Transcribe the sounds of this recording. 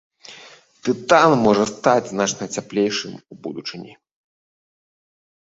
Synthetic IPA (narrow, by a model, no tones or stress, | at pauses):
t̪ɨt̪anmɔʐɐst̪ad͡zʲznat͡ʂnɐt͡sʲaplʲejʂɨmubṵd̪ut͡ʂɨnʲi